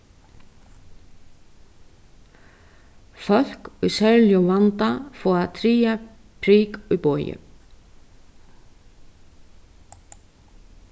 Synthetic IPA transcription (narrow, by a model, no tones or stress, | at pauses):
fœl̥kujsɛɾljɔvant̪afɔːaðt̪ʰɾiːja | pʰɾiːkupɔːjʏ̰